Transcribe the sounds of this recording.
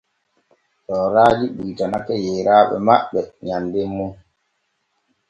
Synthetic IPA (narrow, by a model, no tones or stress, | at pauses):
ɗɔɾaːd͡ʒiɓuːtanakɛjɛːɾaːɓɛ̰maɓɛɲandemːun